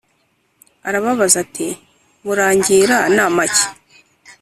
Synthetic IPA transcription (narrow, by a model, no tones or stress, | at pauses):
aɾaβaβazati | βuɾaːɲɟiːɾanamace̥